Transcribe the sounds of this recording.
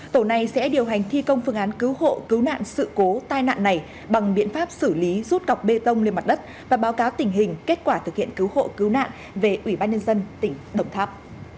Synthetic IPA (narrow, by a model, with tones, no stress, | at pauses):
t̪o˧˩na˨˩jsɛ̰˧˥ɗi˨˩əwɦa˨˩jŋ̟t̪ʰi˧kə˧wŋ͡mfɨ˧əŋʔaː˨˦nkɨ˨˦wɦo̰˧˨kɨ˨˦wna̰ː˧˨nsɨ̰˧˨ko˨˦t̪aː˧jna̰ː˧˨nːa˨˩j | ɓa˨˩ŋɓḭ˧˨ənfaː˦˥p̚sɨ˧˩li˨˦zu˦˥t̚ka˨˩wk͡p̚ɓe˧t̪ə˧wŋ͡mli˧əma˨˩t̚ɗə˦˥t̚ | vaː˨˩ɓaː˨˦wkaː˨˦wt̪ï˧˩ŋ̟ɦï˨˩ŋ̟ke˦˥t̚kwaː˧˩t̪ʰɨ˨˩k̚hḭ˧˨ənkɨ˨˦who̰˧˨kɨ˨˦wna̰ː˧˨n | ve˨˩ʔwi˧˩ɓaː˧nɲə˧nzə˧nt̪ï˧˩ŋ̟ɗə˧˩wŋ͡mt̪ʰaː˦˥p̚